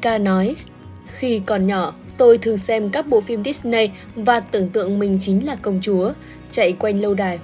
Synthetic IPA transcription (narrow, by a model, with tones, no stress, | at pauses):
kaː˧nɔ˨˦j | xi˧kɔ˨˩nɲɔ˧˩ | t̪o˧jt̪ʰɨ˨˩ə˩ŋsɛ˧mkaː˦˥k̚ɓo̰˧˨fi˧mɗi˦˥snə˧j | vaː˨˩t̪ɨ̰˧˩əŋt̪ɨ̰˧˨əŋmï˨˩ŋ̟t͡ɕï˨˦ŋ̟laː˨˩kə˧wŋ͡mt͡ɕu˨˦ə | t͡ɕa̰˧˨jkwa˧jŋ̟lə˧wɗaː˨˩j